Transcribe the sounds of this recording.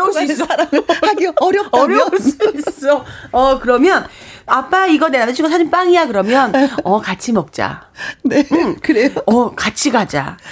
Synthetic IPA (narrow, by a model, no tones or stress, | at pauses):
is͈aɡiʌɾjʌʌʌɾjʌuɭs͈uis͈oʌkɯɾʌmjʌnap͈aiɡʌnenamt͡ɕʰikosʰad͡ʑinp͈aŋijakɯɾʌmjʌnʌkat͡ɕʰimʌk̚t͡ɕ͈a̰nekɯɾejʌkat͡ɕʰiɡad͡ʑa̰